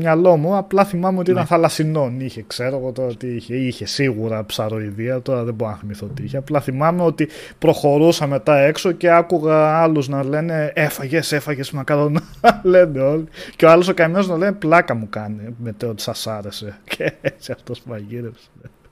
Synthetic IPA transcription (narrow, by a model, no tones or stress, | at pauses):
mɲɐlo̞muɐplɐθimɐmeo̞t̪iit̪ɐnθɐlɐsino̞niçe̞kse̞ɾo̞ɣo̞t̪o̞ɾɐot̪iiçeiçe̞siɣuɾɐpsɐɾo̞iðiɐt̪o̞ɾɐðeboɾɐnɐθimiθoot̪iiçeɐplɐθimɐmeo̞t̪i | pɾo̞xo̞ɾusɐme̞t̪ɐe̞kso̞ce̞ɐkuɣɐɐluznɐle̞ne̞efɐʝe̞sefɐʝe̞smɐkɐlonɐle̞ne̞o̞liceoɐlosokɐmeoznɐle̞neplɐkɐmukɐnemet̪eot̪i̥sɐsɐɾe̞se̞cʰesiɐft̪ospuɐʝiɾefs